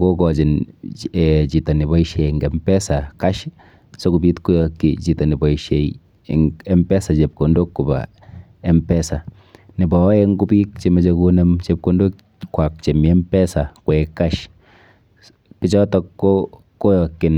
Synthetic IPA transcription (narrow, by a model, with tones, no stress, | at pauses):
ɡo˦kɔ˨t͡ʃɪ˨nɛt͡ʃi˨ta˨nɪ˨ba˨˦iʃe˨ŋɡɛmpɛ˦saka˦ʃ | so˦ku˨bi˦tku˦jɔkit͡ʃi˨ta˨ni˨bɔ˨ʃe˨j̰ | ŋɛ˦mpɛ˦sa˨t͡ʃe˨p̚ko˨ndo˦kːu˨ba̰ | ɛ˦mpɛ˦sa˨ | nɪ˨bɔ˨˦ɛ˦ŋɡu˦bi˦k̚t͡ʃe˦mɛ˦t͡ʃe˦ku˦ne˦mt͡ʃe˦p̚ko˨˦ndo˦k | kːwa˨k̚t͡ʃe˨mi˨ɛ˦mpɛ˦sa˨kwɛka˦ʃ | pɪ˦t͡ʃɔ˦tɔ˦kːo | ko˦jɔ˨kɪ˨n